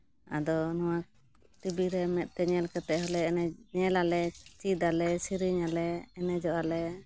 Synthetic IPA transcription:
a̰d̪ɔnɔwak̚ | t̪ibiɾɛmɛt̪̚ˀt̪ɛɲɛlkɛt̪ɛʔɦɔlɛɛɲɛlalɛt͡ʃid̪alɛsiɾiɲalɛːnɛd͡ʒɔʔalɛ

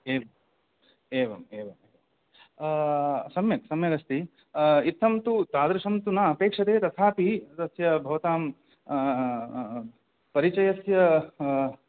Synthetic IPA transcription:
eːʋɐm | eːʋɐmeːʋɐmeːʋɐm | sɐmjɐksɐmjɐɡɐst̪i | it̪ʰːɐmt̪ut̪aːd̪ɾɐʂɐmt̪unɐːpeːkʂɐt̪eːt̪ɐt̪ʰaːpid̪ɐsjɐbʱɐʋɐt̪aːm | pɐɾit͡ʃɐjɐsjɐ

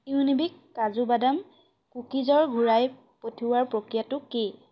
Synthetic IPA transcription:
iunibikːazubadam | kukizɔɹɡʱuɹaj | potʰiwaɹpɹokɹijatʊki

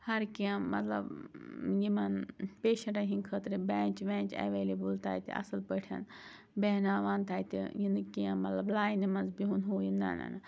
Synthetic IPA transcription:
hɐɾkiãmɐt̪lɐ̰bjimɐnpeːʃɐ̃ɳʈɐɦinkʰət̪ɾibaːnʲt͡ʃʋẽːnt͡ʃɐ̰ʋeːlibɨlt̪ʰa̰ːjt̪ʰḭɐ̰sɨlpəʈʰɐ̰n | beːnaːʋaːnt̪aːjt̪ḭjinɨkiamɐt̪lɐblaːjnimɐnzbiɦunɦoːjinːa̰ːna̰nɐ

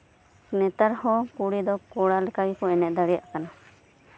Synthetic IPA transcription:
nɛt̪aɾhɔ̃kuɽid̪ɔkɔɽalɛkawikɔɛnɛʔ̚d̪aɽija̰ʔkana

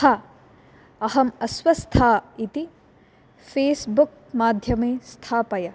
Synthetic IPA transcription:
hɐ | ɐɦɐmɐswɐst̪ʰait̪i | pʰesbuk̚maːd̪ʱjɐmest̪ʰapɐjɐ

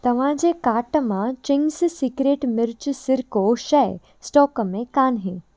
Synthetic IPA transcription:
t̪ɐʋ̤ãd͡ʑeːkaːʈəmãt͡ɕɪŋɡssiːɡɾeːʈmɪɾt͡ʃsɪɾkoʃɛ | sʈɔːkəmẽkaːnɦẽː

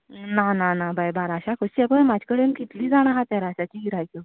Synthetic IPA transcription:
nananabajbaɾaɕakʰəsapəɳmad͡ʑʱkəɽenkit̪liːd͡zaɽ̃ãɦat̪jaɾaɕat͡ɕiːiɾajt͡ɕo

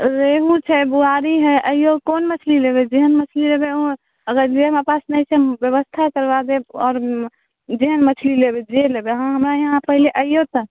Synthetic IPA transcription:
ɾeɦũt͡ʃʰɛbuaɾiɦɛʔəijokonmət͡ʃʰlilebed͡ʒeɦənmət͡ʃʰlilebeo | əɡəɾd͡ʒemepasnəjt͡ʃʰɛbjəβəst̪ʰakəɾbad̪eɔːɾ | d͡ʒeɦənmət͡ʃʰlilebed͡ʒelebeɦãɦəmɾajeɦãpəɦileʔəjot̪ə

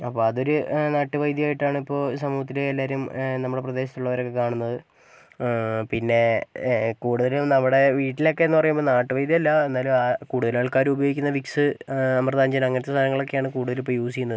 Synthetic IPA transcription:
ɐpːo̞ːɐðo̞ɾunaːʈːɨʋɐjd̪jɐjaːjiʈːaːɳɨipːo̞ːsɐmuːhɐt̪̬ːileːlːaːɾumnɐmːuɽe̞prɐd̪e̞ːɕ̬ɐt̪ːuɭːɐʋɐɾo̞kːe̞kaːɳunːɐðɨ | pinːe̞ | kuːɽuðɐlumnɐmːuɽe̞ʋiːʈːilo̞kːe̞enːupɐrɐjumbo̞ːnaːʈːɨʋɐjd̪jɐɐlːɐenːaːluakuːɽuðɐlaːɭkaːɾubɐjoɡikʲːunːɐʋiksɨɐmrɐðaːɲd͡ʑɐnɐŋːɐnɐt̪ːest̪ʰaːnɐŋːɐɭo̞kːe̞jaːɳɨkuːɽuðɐlipːoːjoːsikʲunːɐð

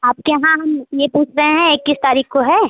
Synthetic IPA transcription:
aːp̚kejɐɦãɦɐmjepuːt͡ʃʰɾɐɦẽɦɛ̃ekːɪst̪aːɾiːxkoɦɛː

